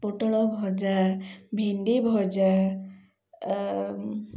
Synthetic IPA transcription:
pɔʈɔɭɔbʱɔd͡ʒabʱinɖibʱɔd͡ʒa

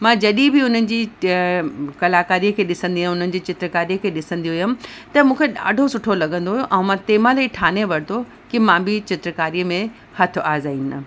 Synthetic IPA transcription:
mãːd͡ʑɐɗĩbʱɪʊn̤ənɪ̆d͡ʑiː | kɐlaːkaːɾijəkʰeːɗɪsə̃nd̪iɦʊn̤ənɪ̆d͡ʑiːt͡ɕɪt̪ɾəkaːɾijəkʰeːɗɪsə̃nd̪ioɦʊjʊm̆t̪ɐmũːkʰeɗa̰ːɖʱosʊʈʰolɐɡə̃nd̪oɦʊjoʔɛ̃ːmãt̪eːmalɐiʈʰaːneʋɐɾt̪ʰo | kimãːbʱɪt͡ɕɪt̪ɾəkaːɾijəmẽ | hɐt̪ʰʊaːzaːiːna

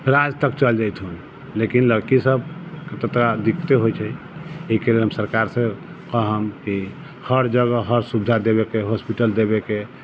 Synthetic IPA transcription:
ɾad͡ʒt̪əkt͡ʃəld͡ʒajt̪ʰɦun | lekinləɽkisəbket̪ət̪kad̪ikʰt̪eɦojt͡ʃʰɛ | eikelelɦəmsəɾkaɾsẽ | kəɦəmki | həɾd͡ʒəɡəɦəɾsubd̪ʱad̪eβekeɦospiʈəld̪ebeke

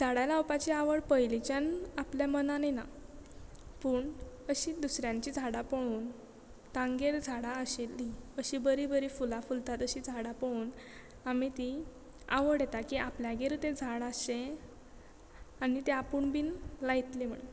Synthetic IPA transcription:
d͡zʱaɽalawpat͡ɕiaʋəɽpəjlit͡ɕjanapljamənanana | puːɳ | əɕiːd̪usɾjãɲt͡ɕid͡zʱaɽapəɽ̃uːn | t̪ãŋɡeɾd͡zʱaɽaəɕelːiəɕibəɾibəɾifulafult̪at̪əɕid͡zʱaɽapəɽ̃uːn | amit̪i | a̰ʋəɽet̪akiapljaɡeɾt̪ed͡zʱaɽaɕe | anit̪eapəɳbiːnlajit̪lim̤əɽn

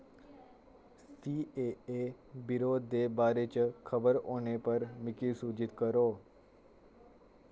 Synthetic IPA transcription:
siːee | bɪɾoːd̪ːeːbaːɾet͡ʃkʰəbəɾoːnepəɾmɪkilsuːd͡ʒɪt̪kəɾoː

